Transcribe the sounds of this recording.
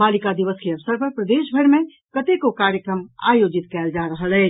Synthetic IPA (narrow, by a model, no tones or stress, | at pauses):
balikad̪iʋəskeəʋsəɾpəɾpɾəd̪eʃbʱəɾme | kət̪ekokaɾjəkɾəma̰jod͡ʒit̪kɛld͡ʒaɾəɦəlɛ